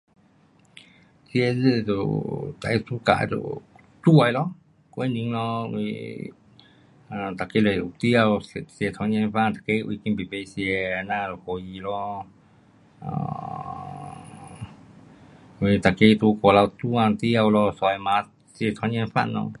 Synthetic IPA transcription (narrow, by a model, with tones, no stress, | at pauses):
sje˧zɨ˦˧t̪ṵ˧˨t̪a˧i˧su˦ka̰˧˨ʔt̪ṵ˧ | t̪u˦a˧jlo˦ | ko˧e˦nĩ˧˦ŋlõ˧ḭ˧ | a˨t̪a˨ke˦˧le˧˨u˧t̪i˦a˧wse˧t̪ʰa˧˦ɲẽ˧fa˦˧nt̪ḁ˨ke˧˦˧ṵ˧i˧kĩ˧mbi˨pe˧sje˧nã˦˧lho˧ji˧lo˦˨˧ | i˧t̪a˨ke˧t̪u˧ko˧la˧t̪u˦ã˧nt̪i˦a˧wlo˧so˧jmã˨˧˦ | si˧e˧t̪ʰa˧˦ɲẽ˧fa̰˦˧nõ̰˧